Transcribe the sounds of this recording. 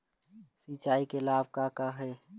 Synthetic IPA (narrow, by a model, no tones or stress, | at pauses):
siːt͡ʃaːikelaːb̚kaːkaɦɛː